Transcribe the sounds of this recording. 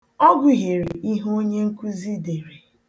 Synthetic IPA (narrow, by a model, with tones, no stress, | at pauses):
ɔ˦ɡʷʊ˨ɦe˨ɾi˨ʔi˦ɦo˦ɲe˦ŋ̩˦ku˦zi˦de˨ɾe˨